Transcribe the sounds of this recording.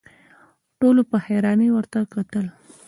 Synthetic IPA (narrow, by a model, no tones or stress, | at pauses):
ʈolopəheɾɑnewəɾt̪akat̪əl